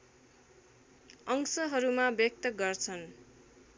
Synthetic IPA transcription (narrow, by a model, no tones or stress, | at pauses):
ʌŋsʌɦʌɾumabjʌk̚t̪ʌɡʌrt͡sʰʌn